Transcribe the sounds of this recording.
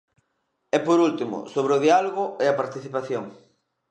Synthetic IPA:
ɛpoɾult̪imʊ̰soβɾeoðialoɣʊeɐpaɾt̪iθipaθjoŋ

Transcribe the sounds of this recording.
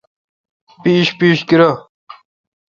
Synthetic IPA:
piːɕpiːɕkiɾo

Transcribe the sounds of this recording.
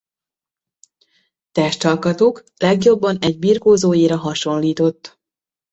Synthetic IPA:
t̪ɛʃt̪ɒlkɒt̪oːk | lɛɡjo̞bːɒnɛɟ̚biːrkoːzoːjeːɾɒɦɒʃo̞nliːt̪o̞t̪ː

